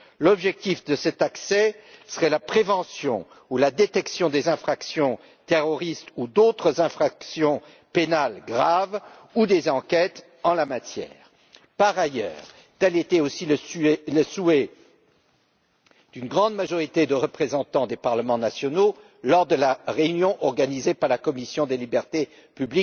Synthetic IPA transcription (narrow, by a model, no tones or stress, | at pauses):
lɔbʒɛk̚t̪ifd̪əsɛt̪aksɛsəʁɛlapχevɑ̃sjɔ̰̃ | ulad̪et̪ɛksjɔ̃d̪ezɛ̃fχaksjɔ̃ | t̪eʁɔʁist̪ud̪ot̪χəzɛ̃fχaksjɔ̃ | penalɡʁav | ud̪ezɑ̃kʲɛt̪ | ɑ̃lamat̪jɛ̰ːʁ | paʁajœ̰ːʁ | t̪ɛlet̪ɛosilələsuɛ | d̪̥ynɡʁɑ̃d̪maʒɔʁit̪ed̪əʁəpχezɑ̃t̪ɑ̃d̪epaʁləmɑ̃nasjɔno | lɔʁd̪əlaʁeynjɔ̃ʔɔʁɡanizepaʁlakɔmisjɔ̃d̪elibɛʁt̪e | pyblik